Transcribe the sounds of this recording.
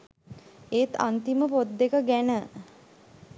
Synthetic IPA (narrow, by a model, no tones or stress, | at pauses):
eːt̪a̰nt̪iməpod̪ːekəɡænə